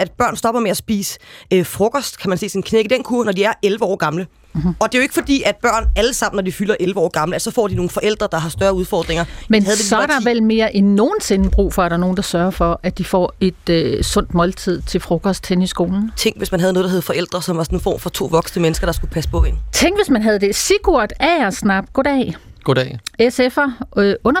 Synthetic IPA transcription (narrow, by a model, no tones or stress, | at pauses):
æd̥̚b̥ɶɐ̰nsd̥ɒ̽b̥ɐmeæsb̥ḭːsøfʁɔ̽kʰɒsd̥kʰæmænse̝̰ːsin̩kʰneɡ̥id̥enkʰuɐnɒdiæɐelʋəɒ̰ːɡ̥ɑ̈mlə | ɒ̽d̥e̝joe̝ɡ̥əfɒ̽d̥ḭːæd̥̚b̥ɶɐ̰næləsɑ̈m̰n̩ːɒd̥ifylɐʔelʋəɒ̰ːɡ̥ɑ̈mləæsɒ̽fɒ̰ːd̥ino̝ːn̩fɒ̽ʔel̰d̥ʁɐd̥ɑ̈ɦɑ̈sd̥ɶɐuðˠfɒ̰ːd̥ʁeŋɐmenhæðˠd̥esɒ̽ɐd̥ɾɑ̈ʋelme̝ːɐʔenːo̝ːn̩se̝nəb̥ʁṵːfɒ̽ɐɾ̥ɑ̈no̝ːn̩d̥ɑ̈sɶɐfɒ̽ʔæd̥ifɒ̰e̝d̥sɔ̽n̰d̥mɒ̽lt͡sʰið̞̰ˠt͡sʰe̝lfʁɔ̽kʰɒ̽sd̥henisɡ̥o̝ːln̩t͡sʰeŋ̰ɡ̥ʋe̝smænɦæðˠnɔːðˠdɐɦhefɒ̽ʔel̰d̥ʁɐsɒ̽mʋɑ̈sɔnenfɒ̰ːmfɒ̽t͡sʰo̝̰ːʋɒ̽ɡ̥snəmenəsɡ̥ɐɾ̥ɑ̈sɡ̥upʰæsəpʰɔ̽ent͡sʰeŋ̰ɡ̥ʋe̝smænɦæð̞ˠəd̥e̝siɡ̥uɐd̥ɛɐsnɑ̈b̥ɡ̥odɛɪɡ̥odesefɐɔ̽nɐ